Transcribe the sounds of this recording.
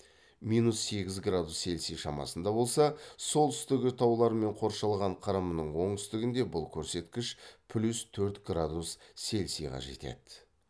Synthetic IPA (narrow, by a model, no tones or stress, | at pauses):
mijnusːe̞ɡʲɪzɡrad̪usːe̞lsijʃɑmɑ̰sənd̪ɑbo̞lˠsɑso̞lˠt̪ʰʏ̥st̪ɪɡʲɪt̪ʰɑwlˠɑɾme̞ɴqʰo̞ɾʃɑlˠʁɑɴqʰɑɾɑmənəɴwo̞ɴt̪ʰʏ̥st̪ɪɡʲɪnd̪e̞bʊlˠkʲʰɵɾse̞t̪kʲɪʃpʰlʲust̪ʰɵɾt̪ɡrad̪usːe̞lsijʁɑ̰ʒe̞̰t̪e̞̰d̪ɪ